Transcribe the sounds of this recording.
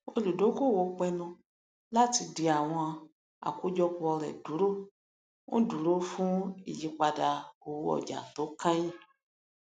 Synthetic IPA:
o˧lu˨do˨˦ɡo˦˨wo˨˦k͡pɛ˧nɔ̃˧ | la˦ti˧di˧a˨w̃ɔ̃˧a˧ | a̰˨ku˦d͡ʒɔ˧ku˧ɔ˧ɾɛ̰˨du˨˦ɾo˦ | ũ˦du˨˦ɾo˦fũ˦ḭ˨ji˨˦k͡pa˧da˧o˨wɔ̰˨d͡ʒa̰˨to˨˦kã˦jĩ˦˨

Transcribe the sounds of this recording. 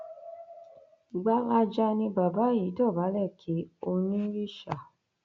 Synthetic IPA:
i˨ɡ͡ba˨˦la˧d͡ʒa˧nĩ˧ba˨ba˨˦ji˨˦tɔ˦˨ba˨˦lɛ˦˨kʰi˨˦o˧nĩ˦ɾi˦˨ʃa˨

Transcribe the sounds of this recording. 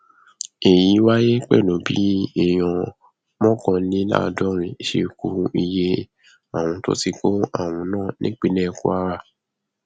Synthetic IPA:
e˨jĩ˨˦wa˦je˦k͡pɛ̰˦˨lõ˨˦bḭ˨˦ɛ˦˨j̃ɔ̃˧ | mɔ̃˦kɔ̃˧˦nĩ˦la̰˦˨dɔ˦ɾ̃ĩ˨ʃe˧ku˧˦ɾũ˧ʔi˧je˧ | a˦˨w̃ɔ̃˧to̰˦ti˧ko˦a̰˦˨w̃ɔ̃˧˦nãː˦˨nĩ˦k͡pi˦nɛ̃˦˨ku˦a˦ɾa˦

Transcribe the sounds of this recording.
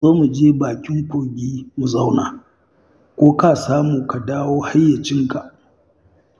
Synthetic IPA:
zoː˦mu˨d͡ʒeː˦baː˨kʲɪ˦ŋɸʊː˨ɡʲiː˦mu˨za˦wnaː˨ | kʷoː˦kaː˦˨saː˦muː˨ka˨daː˦woː˦ha˦jːa˨t͡ʃɪ˦ŋka˨ʔ

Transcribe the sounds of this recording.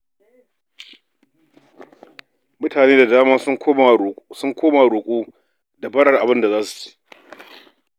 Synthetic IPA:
mʊ˦taː˨neː˦da˨daː˦maː˦˨sʊ˦ŋkʷoː˦ma˨ɽʊ˨kʷʼuː˦ | da˨bɐ˦ɽɐ˨rʔa˨bɪ˦nda˨zaː˦su̥˨t͡ʃe̥ː˦

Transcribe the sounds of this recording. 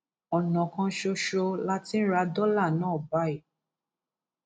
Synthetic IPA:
ɔ˨nã˨kã˧ʃo˧ʃo˧la˦tĩ˦n̩˦ɾa˧dɔ˦la˦˨nãː˨˦˨ba˦i˨

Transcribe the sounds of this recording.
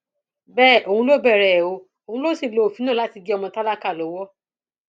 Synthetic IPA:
bɛː˦˨ʔo˨hũ˧˦lo˦bɛ˦˨ɾɛ˨o˧ | o˨hũ˧˦lo˦si˦˨lo˨o˨fi˨˦nãː˦˨la˦ti˧ɡi˦ɔ˧mɔ̃˧ta˦la˦ka˦˨lɔ˨˦wɔ˦

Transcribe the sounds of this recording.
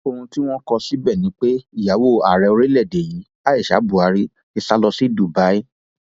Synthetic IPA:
o˧hũ˧ti˦w̃ɔ̃˦kɔ̃˧si˦bɛ˦˨nĩ˨˦k͡pe˦i˦˨ja˨˦wo˦˨a̰˨ɾɛ˧o˧ɾe˦lɛ˦˨de˨ji˨˦ | a˦e˦˨ʃa̰˨˦bu˨a˧ɾi˦ | i˧sa˦lɔ˧si˦du˨ba˨˦i˦

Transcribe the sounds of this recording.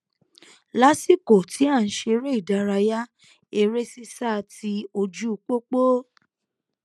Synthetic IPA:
la˦si˦˨ko˨ti˨˦a˦˨n̩˨˦ʃe˧˦ɾe˦i˦˨da˧˦ɾa˧ja˦ | e˧ɾe˦si˦sa˦˨˧ti˧˦o˧d͡ʒu˦u˧k͡po˦k͡po˦

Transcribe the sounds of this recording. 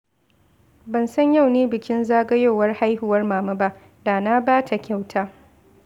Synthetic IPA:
bɐ˨nsɐ˦ɲja˦˨wneː˦bɪ˨kʲɪ˦nzaː˦ɡɐ˦joː˦˨wɐ˦rha˦jhʊ˨wɐ˦rmaː˨mɐ˦ba˦ʔ | daː˨na˦baː˦tʰa˨kʲa˦wtʰaː˦

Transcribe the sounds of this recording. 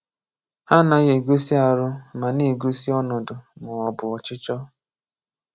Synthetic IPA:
ha˦na˨ɣe˨ɡo˦si˦a˨ɾʊ˦ma˨ne˨ɡo˦si˦ɔ˦nɔ˨dʊ˨mʊ˨ɔ˨bʊ˨ɔ˨t͡ʃɪ˦t͡ʃɔ˦

